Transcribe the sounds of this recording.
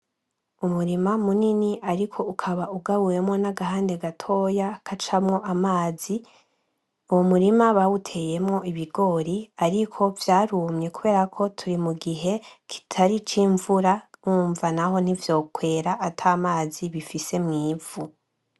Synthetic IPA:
umuɾimamuniniʔaɾikʰo̞ukʰaβauɡaβuje̞mŋo̞naɡahaːnde̞ɡatʰo̞ːjakʰat͡ʃamŋo̞ʔamaːzi | uwomuɾimaβawutʰe̞je̞mŋo̞iβiɡo̞ːɾiaɾikʰo̞vjaːɾuːmɲe̞kuβe̞ːɾakʰo̞tʰuɾimuɡiɦe̞kʰi̥tʰaɾit͡ʃiːɱvuɾauːɱvanaho̞n̥ivjo̞ːkwe̞ːɾaʔːtʰaːmaːziβifise̞mŋiːv̥u

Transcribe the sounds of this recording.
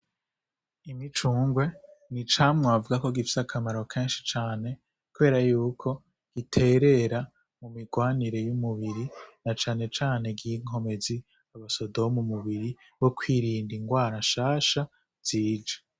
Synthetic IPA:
imit͡ʃuːŋɡwe̞nit͡ʃaːmŋavuɡako̞ɡifi̥sakʰamaɾo̞kʰe̞ːnʃit͡ʃaːne̞ | kuβe̞ːɾajuːkʰo̞ | ɡ̥itʰe̞ːɾe̞ɾa | mumiɡwaːniɾe̞jumuβiɾinat͡ʃaːne̞t͡ʃaːne̞ɡiŋ̥ho̞me̞zi | aβaso̞domumuβiɾi | βo̞kwiɾiːndiŋɡwaːɾaʃaːʃa | z̥iːd͡ʒḁ

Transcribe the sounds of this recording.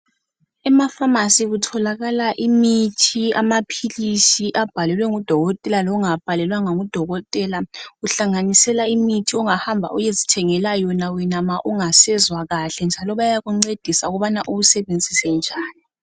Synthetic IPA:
ɛmafamasiɣutʰɔlaɣalaʔimitʰiamapʰilisiʔab̥ʱalɛlwɛŋud̥ʱɔɣɔtʼɛlalɔuŋab̥ʱalɛlwaŋaŋud̥ʱɔɣɔtʼɛlaɣuɬaŋanisɛlaimitʰiɔŋahambʱa̰ʔujezitʰɛŋɛlajɔnawɛnamaʔuŋasɛzwaɣaɬɛnd͡ʒʱalɔβajaɣuŋ͡ǀed̥ʱisauɣɔβanaʔuβusɛβend͡zʱisɛnd͡ʒʱaːni

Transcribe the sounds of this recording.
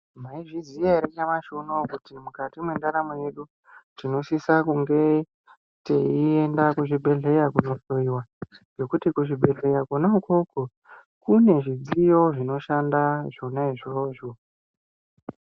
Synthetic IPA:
maiʐizijaɾet͡ʃamaʃunokutimukatimwe̞ndaɾamoje̞ɗu | tino̞sisakuŋɡe̞ | teiendakuʐibʱe̞ɮe̞jakuno̞ɬoiwad͡ʒo̞kutikuʐibʱe̞ɮe̞jakunaukoko | kune̞ʐid͡zijo̞ʐino̞ʃandaʐonaiʐoːʐo

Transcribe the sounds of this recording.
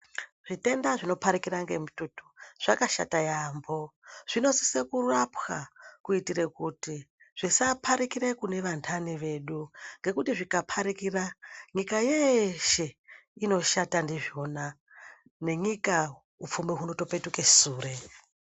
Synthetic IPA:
ʐ̥ite̞ndaʐino̞paɾikiɾaŋɡe̞̰mututu̥ʐ̥akaʃa̰tajaːmbo̞ʐ̥ino̞si̥se̞kurapxa̰kuitire̞kuti | ʐ̥isapʰaɾikiɾekune̞ʋantʰaniʋe̞ɗuŋɡe̞kutiʐikapʰaɾikiraɲikajeʃe̞ | ino̞ʃatandiʐio̞na | ne̞ɲika | up͡fumiɦuno̞to̞pe̞tukesuːre

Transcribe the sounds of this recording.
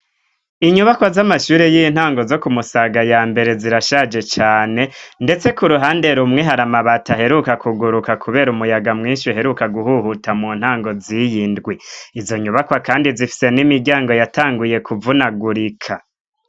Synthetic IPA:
iɲuβakwazamaʃuːɾejin̥haːŋɡo̞zo̞kumusaɡajaːmbe̞ɾe̞ziɾaʃad͡ʒe̞t͡ʃaːne̞nde̞t͡se̞kuɾuɦaːnde̞ɾumŋe̞ɦaɾamaβataɦe̞ɾukakʰuɡuɾukakʰuβe̞ːɾumujaɡamŋiːnʃiɦe̞ɾukaɡuhuhutʰamuːn̥haːŋɡo̞zijiːndɡwiizo̞ɲuβakwakaːndizifi̥se̞nimiɾɡɟaːŋɡo̞jataːŋɡuje̞kʰuvunaɡuɾikʰa

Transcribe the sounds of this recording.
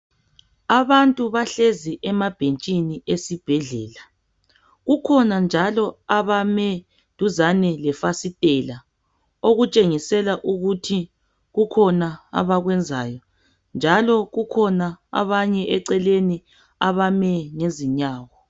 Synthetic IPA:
aβantʼuβaɬeziʔɛmab̥ʱent͡ʃʼiniʔesib̥ʱɛɮɛːla | ɣukʰɔnand͡ʒʱalɔaβamɛ | dʱuzanɛlɛfasitʼɛla | oɣut͡ʃʼeŋisɛlaʔuɣutʰi | ɣukʰɔnaa̰βaɣwɛnd͡zʱaːjɔ | nd͡ʒʱalɔɣukʰɔnaa̰βaɲɛʔɛǀɛleni | aβamɛŋeziɲaːwɔ

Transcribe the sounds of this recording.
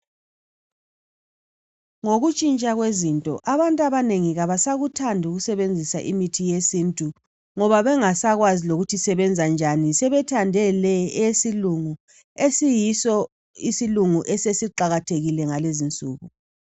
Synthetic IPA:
ŋoɣut͡ʃʼint͡ʃʼaɣwezintʼɔ̰ʔaβantʼaβaneŋiɣaβasaɣutʰandʱuɣusɛβend͡zʱisaʔimitʰijesintʼu | ŋɔβaβɛŋasaɣwaziloɣutʰisɛβɛnd͡zʱand͡ʒʱanisɛβɛtʰandʱɛlɛɛsiluŋu | esijisɔ | isiluŋuʔɛsesiǃaɣatʰeɣilɛŋalezint͡sʼṵːɣu

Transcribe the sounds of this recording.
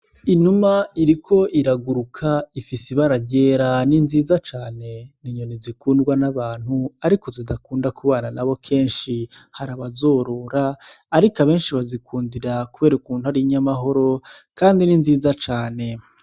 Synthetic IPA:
inumaiɾikʰo̞ʔiɾaɡuɾukʰaifisiβaɾaɟeːɾaninziːzat͡ʃaːne̞niɲonizikuːndɡwanaβaːn̥huaɾiko̞zidakuːndakʰuβaːnanaβo̞kʰe̞ːnʃi | haɾaβazo̞ːɾoːɾaːɾikaβe̞ːnʃiβazikʰuːndiɾakuβe̞ːɾaukuːn̥uaɾiɲamaɦo̞ɾo̞kaːndininziːzat͡ʃaːne̞

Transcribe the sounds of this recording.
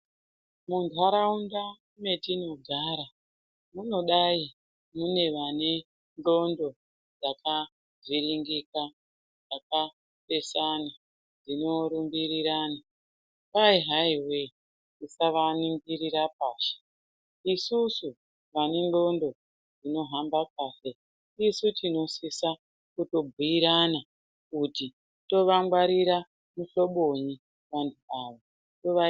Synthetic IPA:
mundʱaɾaunda | me̞tino̞ɡʱaːɾa | muno̞ɗai | mune̞ʋane | ndo̞ndo̞ | d͡zakʰa | ziɾiŋɡika | d͡zaka | pe̞sana | d͡zino̞ɾumbiriɾaːna | paiɦaiwe | isaʋaniŋɡiɾiɾap̚aːʃe̥ | isusu | ʋanenɡo̞ndo̞ | d͡zino̞ɦambap̚aːse | isutino̞sisa | kuto̞bʱuiɾana | kuti | to̞ʋaŋɡwaɾiɾa | muɬo̞ɓoɲi | ʋanduaʋo | toʋa

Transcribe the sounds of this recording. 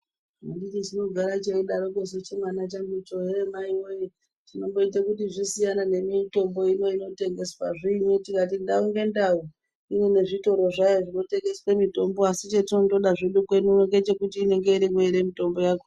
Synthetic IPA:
mudikizino̞ɡʱaɾat͡ʃeiɗaɾokes̬et͡ʃemwanat͡ʃambut͡ʃoɦeɾemaiweje | tino̞mbo̞it̬akutiʐisijanane̞mito̞mbo̞ino̞ino̞te̞ŋɡe̞swaʐiːɲotikat̬indauŋɡe̞ndau | iwene̞ʐito̞ɾo̞ʐajoʐino̞te̞ŋɡe̞swemito̞mboasit͡ʃetino̞to̞ɗaʐiɗukwenueŋɡet͡ʃe̞kutiːne̞ŋɡe̞iɾimweɾemito̞mbo̞jaːko

